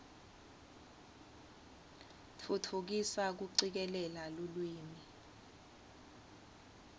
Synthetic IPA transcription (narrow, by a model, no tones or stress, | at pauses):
tʰutʰuk̬isak̬uǀik̬ɛlɛlalolwiːmi